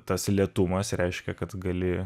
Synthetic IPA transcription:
t̪ɐslʲiɛt̪ʊmɐsɾʲɛɪʃʲkʲɛkɐt̪ɡɐlʲɪ

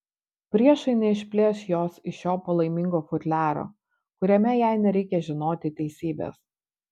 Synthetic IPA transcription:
pʲɾʲiɛʃɐɪnʲɛɪʃʲpʲlʲeːsjoːsɪʃjoːpɐlˠɐɪmʲɪŋɡoːfʊt̪ʲlʲæːɾo̰ː | kʊɾʲɛmʲɛjæˑɪnʲɛɾʲɛɪkʲɛʒʲɪnoːt̪ʲɪt̪ʲɛɪsʲiːbʲḛːs

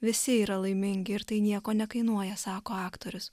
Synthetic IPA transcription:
ʋʲɪsʲɪiːɾɐlˠɐɪmʲɪŋʲɡʲɪɪɾt̪ɐɪnʲiɛkoːnʲɛkɐɪnuɔjɛsɑːkoːɑːkt̪oɾʲʊs

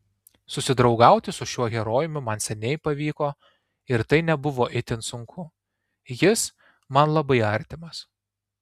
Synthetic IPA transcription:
sʊsʲɪd̪ɾɒʊɡɑˑʊt̪ʲɪsʊʃʲuɔɣʲɛɾoːjɪmʲʊmɐnsʲɛnʲɛɪpɐʋʲiːkoː | ɪɾt̪ɐɪnʲɛbʊʋoːʔɪt̪ʲɪnt̪sʊŋkʰʊ | jɪs | mɐnlˠɐbɐɪɐɾʲt̪ʲɪmɐs

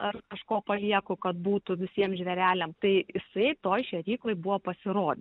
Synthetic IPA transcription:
ɐrkɐʃkoːpɐlʲiɛkʊkɐt̪buːt̪ʊʋʲɪsʲiɛmʒʲʋʲɛɾʲæːlʲɛmt̪ɐɪjɪsɐɪt̪oːjʃʲɛɾʲiːklˠoɪbuːʋɐpɐsʲɪɾoːd̪ʲɪ

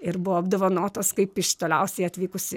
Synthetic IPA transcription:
ɪɾbʊʋɔɐbd̪ɐʋonoːt̪oːskɐɪpɪʃt̪oːlʲɛʊsʲɛɪɐt̪ʲʋʲiːkʊsʲɪ

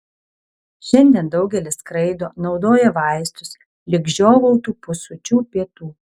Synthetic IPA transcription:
ʃʲɛnʲd̪ʲiɛnd̪ɒʊɡʲɛlʲɪskɾɐɪd̪oːnɒʊd̪oːjɛʋɑˑɪst̪ʊs | lʲɪɡʒʲoːʋoʊt̪uːpʊsʊt͡ʃʲuːpʲiɛt̪uː

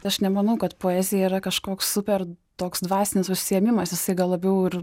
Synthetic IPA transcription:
t̪ɪɐʃnʲɛmɐnɐʊkɐt̪poːɛːzʲɪjɛiːɾɐkɐʃkoːkssʊpʲɛrt̪oːksd̪ʋɑːsʲɪnʲɪsʊʃʲsʲɪjɛmʲɪmɐsjɪsɐɪɡɐlˠɐbʲɛʊɪɾ

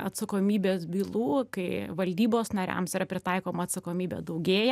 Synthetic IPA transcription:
ɐt̪sɐkoːmʲiːbʲeːsbʲiːlˠuːkɐɪʋɐlʲd̪ʲiːboːsnɐɾʲæ̰msiɾɐpʲɾʲɪt̪ɑɪkoːmɐɐt̪sɐkoːmʲiːbʲḛːd̪ɐʊɡʲeːj

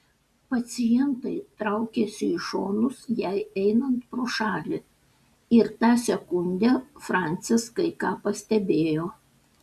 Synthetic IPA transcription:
pɐt̪sʲɪjɛnt̪ɐɪt̪ɾɐʊkʲɛsʲɪiʃoːnʊsjɛɪɛɪnɐnt̪pɾoːʃɑːlʲɪ | ɪɾt̪ɑːsʲɛkʊnʲd̪ʲɛfɾɑˑnʲt̪sʲɪskɐɪkɑːpɐsʲt̪ʲɛbʲeːjoː

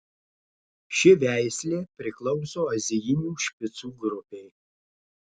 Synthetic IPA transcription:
ʃʲɪʋʲæˑɪsʲlʲeːpʲɾʲɪklˠɔʊsoːɐzʲɪjɪnʲuːʃʲpʲɪt̪suːɡɾʊpʲeɪ

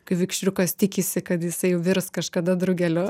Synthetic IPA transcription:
kɐɪʋʲɪkʃʲɾʲʊkɐst̪ʲɪkʲɪsʲɪkɐt̪jɪsɐɪjɛʊʋʲɪrskɐʃkɐd̪ɐd̪ɾʊɡʲɛlʲo

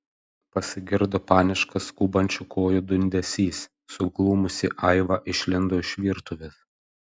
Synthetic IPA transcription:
pɐsʲɪɡʲɪɾd̪oːpɑːnʲɪʃkɐskuːbɐnʲt͡ʃʲʊkʰoːjʊd̪ʊnʲd̪ʲɛsʲiːsː | ʊklˠuːmʊsʲɪʔɐɪʋɑːʔɪʃʲlʲɪnd̪oːɪʃʲʋʲiːɾt̪ʊʋʲes

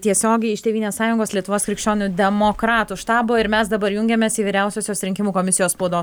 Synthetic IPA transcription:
t̪ʲiɛsʲoːɡʲɛɪɪʃt̪ʲeːʋiːnʲeːssɑːjʊŋɡoːslʲiɛt̪ʊʋoːskɾʲɪkʃʲt͡ʃʲoːnʲʊd̪ʲɛmoːkɾɑːt̪uʃt̪ɑːboːɪɾmʲɛsd̪ɐbɐɾjʊŋʲɡʲemʲeːsiːʋʲiːɾʲæˑʊsʲoːsjʲoːsɾʲɪŋʲkʲɪmuːkoːmʲɪsʲɪjoːspɔʊd̪oːs

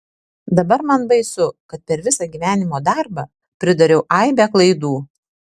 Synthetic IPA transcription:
d̪ɐbɐɾmɐnbɐɪsʊkɐt̪̚pʲɛɾʋʲɪsɑːɡʲiːʋʲæːnʲɪmoːd̪ɑˑɾbɑ | pʲɾʲɪd̪ɐɾʲɛʊʔɐɪbʲɛklˠɐɪd̪uː

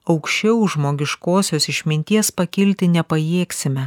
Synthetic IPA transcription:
ɒʊkʃʲt͡ʃʲɛʊʒmoːɡʲɪʃkoːsʲoːsɪʃʲmʲɪnʲt̪ʲiɛspɐkʲɪlʲt̪ʲɪnʲɛpɐjeːksʲɪmʲɛ

